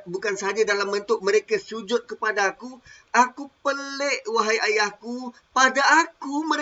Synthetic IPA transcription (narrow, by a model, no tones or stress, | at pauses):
bukansəɦad͡ʒadalambənt̪ʊk̚mə̃ɾekasud͡ʒʊt̪̚kəpadaːku | akupəleʔwaɦajʔajahku | padaːkumə̃ɾ